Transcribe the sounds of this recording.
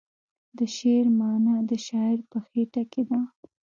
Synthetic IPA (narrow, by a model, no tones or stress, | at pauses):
d̪əʃeɾmɑnad̪əʃɑɪɾpəxeʈaked̪a